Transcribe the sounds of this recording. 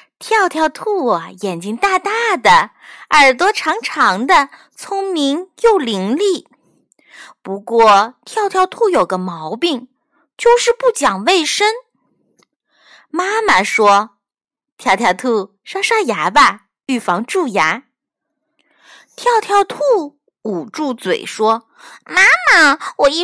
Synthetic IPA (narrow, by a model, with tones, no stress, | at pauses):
t̪ʰjɑ˥˧ʊt̪ʰjɑ˥˧ʊt̪ʰu˥˩ɐ˩jɛ˨˩nt͡ɕi˥ŋt̪a˥˧t̪a˥˩d̪ə˩ | ə˞˨˩t̪wɔ˥ʈ͡ʂʰɑ˧˥ŋʈ͡ʂʰɑ˧˥ŋd̪ə˧ | t͡sʰʊ˥ŋmi˧˥ŋjo˥˩ʊli˧˥ŋli˥˩ | pu˧˥kwɔ˥˩t̪ʰjɑ˥˧ʊt̪ʰjɑ˥˧ʊt̪ʰu˥˩jo˨˩ʊɡ̪ə˦mɑ˧˥ʊpi˥˩ŋ | t͡ɕjo˥˧ʊʂɻ̩˥˧pu˥˩t͡ɕjɑ˨˩ŋwe˥˩ɪʂə˥n | ma˥mə˨ʂwɔ˥ | t̪ʰjɑ˥˩ʊt̪ʰjɑ˥˧˩t̪ʰu˥˩ | ʂa˥ʂa˥˩ja˧˥ba˧ | y˥˩fɑ˧˥ŋʈ͡ʂu˥˩ja˧˥ | t̪ʰjɑ˥˧ʊt̪ʰjɑ˥˧ʊt̪ʰu˥˩ | u˨˩ʈ͡ʂu˥˩t͡swḛ˨˩ɪʂwɔ˥ | ma˥ma˩wɔ˨˩i˥